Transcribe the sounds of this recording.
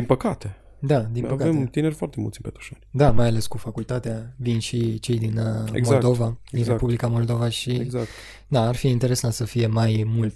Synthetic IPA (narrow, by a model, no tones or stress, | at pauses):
dinpəkat̪e | d̪ad̪inpəkaeemt̪inerʲfoart̪emṵlt̪sʲinpet̪ɾu̥ʃanʲd̪amajale̞skufakult̪at̪eavinʃit͡ʃe̞jd̪inḛmmoald̪o̞vainrepublikamo̞ld̪o̞vaʃiezak̪ | d̪aːrfiːnt̪eɾe̞sant̪səfije̞majmult̪